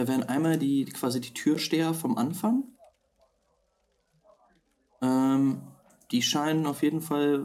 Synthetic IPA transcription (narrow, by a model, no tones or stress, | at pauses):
aveːʁənʔaɪnmaːldiːkʰv̥aːzidiːtʰyːɐʃteːɐfɔmʔanfaŋ | ʔɛːm | d̥iːʃaɪnənaʊfjeːdn̩fal